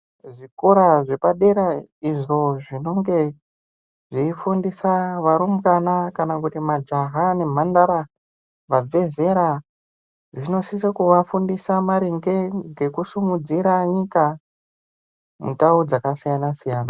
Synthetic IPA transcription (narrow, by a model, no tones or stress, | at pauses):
ʐikoɾaʐe̞paɗe̞ɾaiʐo̞ʐino̞ŋɡe̞ | ʐiifundisaʋaɾum̩kanakanakutimad͡ʒaɦane̞m̤andaɾa | ʋab͡ve̞ze̞ɾa | ʐino̞sisakuʋafundisamaɾiŋɡe̞ŋɡe̞kusumud͡ziɾaɲika | mṵtaud͡zakasijanasijaːna